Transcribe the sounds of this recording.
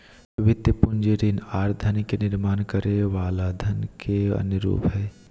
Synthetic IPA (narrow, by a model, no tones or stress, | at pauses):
ʋɪt̪jəpʊnd͡ʒeɾinaːɾd̪ʱənikenɪɾmaːnkəɾeʋaːlaːd̪ʱənkeɐ̰nəɾṵːpɦɛː